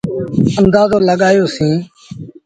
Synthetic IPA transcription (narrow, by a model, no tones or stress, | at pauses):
ənd̪aːzõːləɠaːjoːsĩː